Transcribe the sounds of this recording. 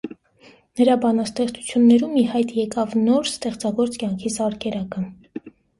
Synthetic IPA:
nəɾɑbɑnɑst̪ɛχt͡sʰu̥t͡sʰjunːɛɾumːihɑjt̪jɛkɑvnɔɾst̪ɛχt͡sɑɡɔɾt͡skjɑŋkʰisɑɾkɛɾɑkə

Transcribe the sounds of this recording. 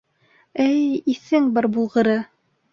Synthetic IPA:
ɘjiθɘŋbɑɾbulˠʁɤ̆ɾɤ

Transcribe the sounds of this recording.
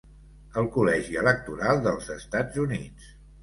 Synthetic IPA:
əlˠkulɛʒiələk̚t̪uɾalˠd̪əlˠzəst̪ad͡zunit͡s

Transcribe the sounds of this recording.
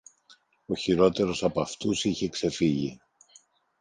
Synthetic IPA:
o̞çiɾo̞t̪e̞ɾo̞sɐpɐft̪usiçe̞kse̞fiʝi

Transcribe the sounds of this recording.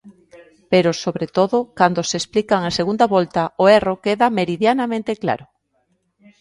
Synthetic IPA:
peɾʊsoβɾet̪oðʊkand̪osesplikaŋaseɣund̪aβɔlt̪ɐoerokeðameɾiðjanamẽnt̪ekla̰ɾʊ

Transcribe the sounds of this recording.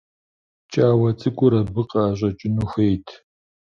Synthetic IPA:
t͡ʃʼaːwɐt͡sʼɨkʷʼʊɾɐbɨqʼɐːʑɐt͡ʃʼɪnuːxʷejtʰ

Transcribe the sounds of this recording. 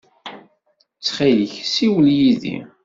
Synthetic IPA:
t͡sːχijəçsiwəljiðḭ

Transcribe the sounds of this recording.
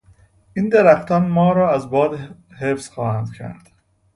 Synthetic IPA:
ʔind̪æɾæxt̪ʰɒnmɒːɾɒːæzbɒːd̪hefsxɒːhænd̪̥cʰæ̰ɾd̪̥

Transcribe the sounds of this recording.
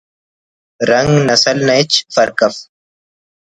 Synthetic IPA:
ɾɐŋɡnɐsɐlnɐt͡ʃfɐɾkɐf

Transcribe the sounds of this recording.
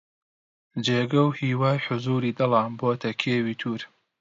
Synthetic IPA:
d͡ʒeːɡɐwhiːwaːjħʊzuːɾiːd̪ɐlaːnboːt̪ʰɐkʰeːwiːt̪ʰuːɾ

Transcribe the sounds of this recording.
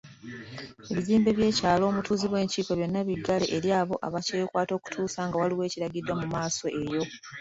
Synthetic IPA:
e̞βiziːmbe̞βje̞ːcaːlo̞ːmutuːziβwe̞ːɲciːkeβjo̞nːaβiɡːale̞ʔeɾjaːβo̞ʔaβacejkwaːto̞ːku̥tʰuːsaŋɡawaliwe̞ːciɾaɡidwamumaːso̞ʔe̞jo̞

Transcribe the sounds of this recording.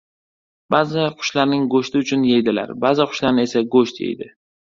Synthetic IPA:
b̥azɪqʰʊ̥ʃlaɾnɪŋɡoʃt̪ʰɪʊt͡ʃʰʊnjejd̪ɪla̰ɾbazɪqʰʊ̥ʃlaɾnɪe̞saɡoʃt̪jḛjd̪ɪ

